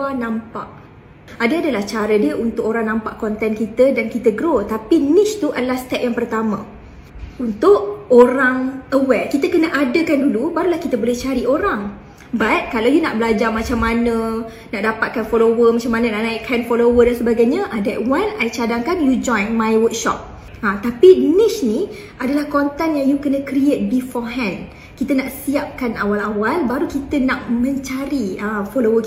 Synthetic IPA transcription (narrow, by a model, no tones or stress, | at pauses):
anãmpa̰ʔ | adəadalaht͡ʃaɾədiəʔunt̪ʊk̚oɾaŋnãmpaʔkɔnt̪ɛnkit̪ədankit̪əɡɾot̪apinit͡ʃt̪uʔəlast̪ɛʔ̚jaŋpərt̪amã̰ | unt̪ʊʔoɾaŋəwɛkit̪əkənəʔadəkandulubaɾulahkit̪əbolɛht͡ʃaɾioɾaŋ | bat̪̚kalawjunaʔbəlad͡ʒarmat͡ʃamːanə̃ | naʔdapat̪̚kanfolowəmat͡ʃamanə̃naʔnaiʔkʰanfolowədansəbaɡajɲaʔadɛʔ̚wanajt͡ʃadaŋkanjud͡ʒɔ̃jnmãjwək̚ʃɔ̰p̚ | at̪apinɪsni | adalahkɔnt̪ɛnjaŋjukənə̃kɾiet̪̚bifɔɦɛ̃nd | kit̪ənaʔsiap̚kanawalawalbaɾukit̪ənaʔmə̃ɲt͡ʃaɾiəfolowək